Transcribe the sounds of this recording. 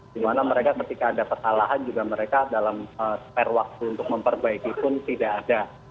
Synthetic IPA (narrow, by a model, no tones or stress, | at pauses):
d̥imanaməɾekakət̪ikaːdapərsalaɦand͡ʒuɡaməɾekadalaməspɛrwak̚t̪uːnt̪ʊk̚məmpərbaikipʊnt̪idaːda